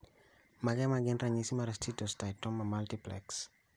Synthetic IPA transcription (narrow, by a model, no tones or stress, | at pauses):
makɛmaɡɛnraɲisimaɾestitɔstajtɔmːamaltiplɛ̰ks